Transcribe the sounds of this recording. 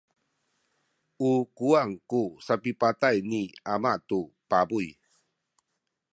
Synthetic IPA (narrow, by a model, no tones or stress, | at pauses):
ukuaŋkusapipatajniamatupabuj